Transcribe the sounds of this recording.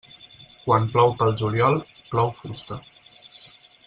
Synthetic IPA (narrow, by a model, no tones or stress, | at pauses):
kwamplɔwpəlˠʒuljɔlˠplɔwfust̪ə